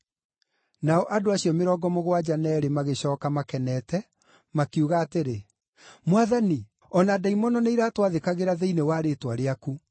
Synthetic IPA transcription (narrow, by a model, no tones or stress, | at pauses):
naɔʔadoaɕiɔmeɾɔɡɔmoɣwad͡ʑanɛɾemaɣeɕɔːkamakɛnɛtɛ | makiuɣaːteɾe | mwaðani | ɔnadaimɔnɔneiɾatwaðekaɣeɾaðeinewaɾetwaɾeaku